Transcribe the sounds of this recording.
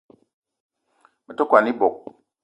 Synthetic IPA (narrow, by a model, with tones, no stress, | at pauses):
mə˨to˦kwa˨ni˦bo˨k̚